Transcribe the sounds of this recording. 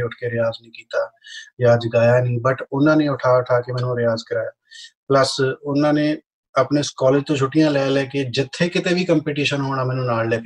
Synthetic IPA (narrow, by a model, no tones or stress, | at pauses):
ʊʈʰkeːɾɪjaːznĩːkiːt̪aːjaːd͡ʒkaːjaːnĩːbəʈʊnãːneːʊʈʰaːʊʈʰaːkemɛ̃ːnũːɾɪjaːzkəɾaːjaːpləsʊnãːneː | əpneːskɔːleːd͡ʒt̪õːt͡ʃʰʊʈːɪjãːlɛːlɛːkeːd͡ʒɪt̪ʰːeːkɪt̪eːʋiːkəmpeːʈiːʃənɦoːɽ̃aːmɛːnũːnaːllɛːkː